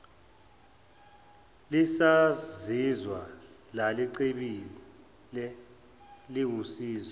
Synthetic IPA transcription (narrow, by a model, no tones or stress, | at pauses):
lisazizwa | laliǀeɓii | lɛ | liwusiːzɔ